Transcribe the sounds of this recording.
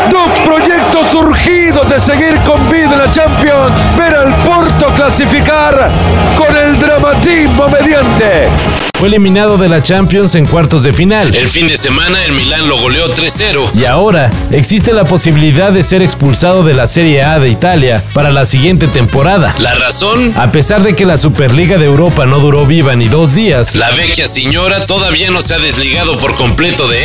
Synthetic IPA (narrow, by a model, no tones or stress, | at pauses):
d̪okpɾo̞ʝe̞k̚t̪osuɾxiðoðe̞se̞ɣiɾko̞mbiðelat͡ʃampjonsbe̞ɾalpoɾt̪o̞klasifikaɾ | ko̞ne̞ld̪ɾamat̪iɣmo̞me̞ðjant̪e | fweːlimĩnaðo̞ðe̞lat͡ʃampjo̞nse̞ŋkwaɾt̪o̞zðefinale̞lfind̪ese̞manaelmilanlo̞ɣo̞leo̞t̪ɾeseɾoiao̞ɾa | eksist̪e̞lapo̞siβiliðaððe̞se̞ɾe̞kspulsaðo̞ðe̞lase̞ɾje̞aðe̞it̪aljapaɾalasiɣje̞nt̪e̞t̪e̞mpo̞ɾaða̰laraso̞nape̞saɾðe̞ke̞lasupeɾliɣaðeeːwɾo̞pano̞ðuɾo̞βiβaniðo̞zðiaslaβekjaseɲo̞ɾat̪o̞ðaβiano̞seaðe̞zliɣaðo̞po̞ɾko̞mple̞t̪o̞ðe